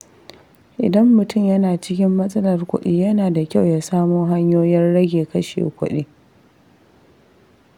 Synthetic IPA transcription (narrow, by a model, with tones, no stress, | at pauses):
ʔɪ̰˨dɐ˦mːʊ˨tʊ˦˨mjɐ˦naː˨t͡ʃɪ˦kʲɪ˦mːɐ˦sʼɐ˦lɐ˨rkʷʊ̰˦ɗiː˦jɐ˦naː˨da˨kʲa˦˨wjaː˦saː˦moː˦ɦa˦ɲjoː˦jɐ˦nɽɐ˦ɡʲeː˨kɐ˦ʃḛː˨kʷʊ̰˦ɗḛː˦